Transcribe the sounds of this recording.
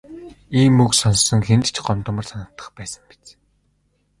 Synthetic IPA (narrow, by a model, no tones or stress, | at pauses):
iːmɵksɔnsːɞ̆ŋxent̪t͡ɕɢɔmt̪ə̆mə̆rsanə̆t̪ːə̆χpæːsə̆ŋpe̥t͡s